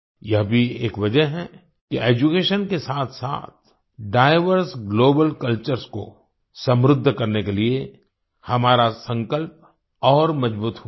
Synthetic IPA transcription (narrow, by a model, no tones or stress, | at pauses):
jɐɦbʱieːkʋɐd͡ʒəɦɦɛ | kiʔeːd͡ʒukeːʃənkesaːt̪ʰsa̰ːt̪̚ʰ | ɖaːɪʋəɾsɡloːbəlkɐlt͡ʃəɾsko̰ | sɐ̃mɾʊd̪ʱːkɐɾnekelie | hɐmaːɾasɐ̃ŋkəlp̚ | ɔːɾmɐd͡ʒbuːt̪ɦ